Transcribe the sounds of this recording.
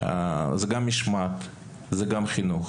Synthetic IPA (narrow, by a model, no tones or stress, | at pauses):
a̰zɛɡamːiʃmat̪ | zɛɡamχinuχ